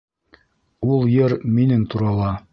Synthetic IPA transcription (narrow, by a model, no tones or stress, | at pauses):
ulˠjɤɾminɘnt̪uɾɑlˠɑ